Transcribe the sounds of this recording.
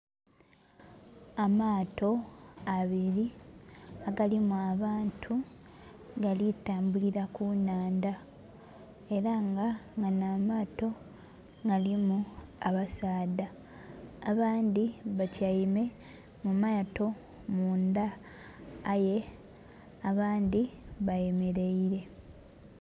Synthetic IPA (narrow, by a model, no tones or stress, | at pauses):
amaːto̞aβiɾi | aɡalimuaβaːntʰu | ɡalitaːmbuliɾakunaːnda | e̞ɾaŋɡaŋɡanamaːto̞ | ŋɡalimuaβasaːdaː | βaːnd̪iβacajime̞ | mumato̞ | mundaː | je̞ | aβaːnd̪iβaje̞me̞ɾe̞iɾe̞